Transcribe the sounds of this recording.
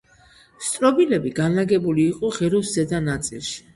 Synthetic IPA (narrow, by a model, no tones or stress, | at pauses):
st̪sʼɾɔbilɛbiɡanlaɡɛbuliːqʼɔʁɛɾuszɛd̪anat̪sʼilˠʃi̥